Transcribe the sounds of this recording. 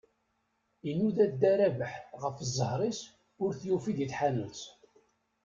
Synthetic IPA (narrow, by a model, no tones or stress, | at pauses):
inːuðæd̪æɾævəħʁəfəzˤːəhɾˤis | ʊɾθjufid̪jiθħanət͡s